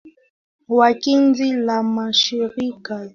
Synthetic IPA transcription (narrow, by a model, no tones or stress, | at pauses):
wakinzilamaʃiɾika